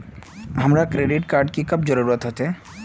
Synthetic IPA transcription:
ɦəmɾakɾeɖiʈkaɾɖkikəp̚d͡ʒɔɾuɾət̪ɦot̪e

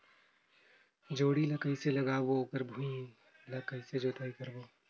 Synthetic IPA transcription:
d͡ʒoːɽilɐkəiselɐɡaːboːkəɾbʱũĩ | lɐkəised͡ʒoːt̪ʰəikɐɾboː

